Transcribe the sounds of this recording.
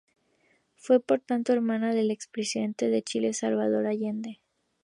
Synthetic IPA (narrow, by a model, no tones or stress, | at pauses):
fwe̞po̞ɾt̪ant̪o̞eɾmanaðe̞le̞kspɾesiðe̞nt̪e̞ðe̞t͡ʃile̞salβað̞o̞ɾaʝend̪e